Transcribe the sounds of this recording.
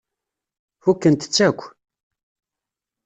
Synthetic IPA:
fukːənt̪ə̥t͡sːækʷː

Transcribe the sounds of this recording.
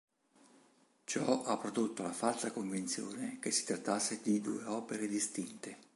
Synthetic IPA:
t͡ʃɔapːɾod̪ot̪ːolafalsakoɱvint̪sjo̰ːnek̟esːi̥t̪ɾat̪ːasːed̪id̪ṵːeɔːpeɾed̪ist̪int̪e

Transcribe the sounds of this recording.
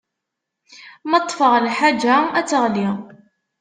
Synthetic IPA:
mɑt̪ˤːfəʁlħad͡ʒːaæt͡sːəʁli

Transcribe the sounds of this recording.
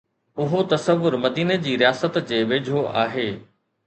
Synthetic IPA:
ʊɦot̪ɐsəʋːʊɾmɐd̪iːned͡ʑiːɾijaːsət̪d͡ʑeːʋeːd͡ʑʱoʔa̰ːɦeː

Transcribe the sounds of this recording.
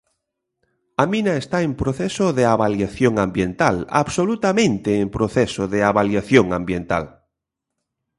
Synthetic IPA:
aminaest̪aempɾoθesoðeaβaljaθjoŋãmbjent̪ala̰βsolut̪amẽnt̪eːmpɾoθesoðeaβaljaθjoŋã̰mbjent̪a̰l

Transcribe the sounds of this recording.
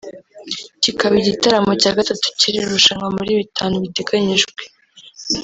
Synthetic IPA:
cikaβiɟitaɾamo̞caːɡatatu̥ciɾiɾuʃaŋɡamuɾiβitʰaːnuβite̞ɡaɲiʒɡwe

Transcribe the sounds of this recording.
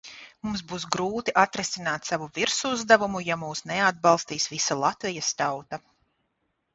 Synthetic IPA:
mums̬buːsɡɾuːt̪iʔat̪ɾɛsinaːt̪savuviɾsuzd̪avumujamuːsnɛad̪̚bɑlˠst̪iːsvisalˠat̪vijast̪awt̪a

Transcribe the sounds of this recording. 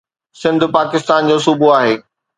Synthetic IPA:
sɪ̃nd̪ʱpaːkɪst̪aːnd͡ʑoːsʊbuaːɦeː

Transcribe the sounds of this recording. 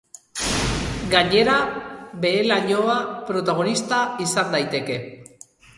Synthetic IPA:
ɡaɲe̞ɾabe̞ːlaɲo̞apɾo̞t̪aɣ̞o̞nist̪aisand̪ajt̪e̞ke̞

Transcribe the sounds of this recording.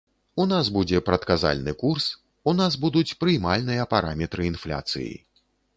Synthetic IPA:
unasbud͡zʲɛpɾɐt̪kaza̰lʲnɨkurs | unazbud̪ut͡sʲpɾɨjmalʲnɨjɐpaɾamʲɛt̪ɾɨinflʲa̰t̪sɨ̰jḭ

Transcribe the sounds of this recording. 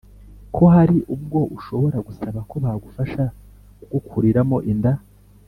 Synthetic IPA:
kʰo̞ɦaɾiʔub̚ɡo̞ʔuʃo̞βo̞ɾaɡusaβako̞βahɡufaʃa | ɡukʰuɾiɾamo̞ʔinda

